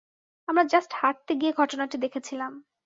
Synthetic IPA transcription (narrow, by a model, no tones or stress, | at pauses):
amɾad͡ʑasʈhaʈ̚t̪eɡieɡʱɔʈonaʈid̪ekʰet͡ɕʰilam